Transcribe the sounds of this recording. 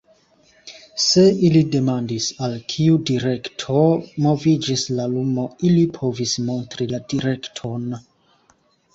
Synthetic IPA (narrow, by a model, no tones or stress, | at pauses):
se̞ilide̞mandisalkʰiudiɾe̞ktʰomo̞vid͡ʒislalumo̞ilipʰo̞vismo̞ntɾiladiɾe̞ktʰo̞n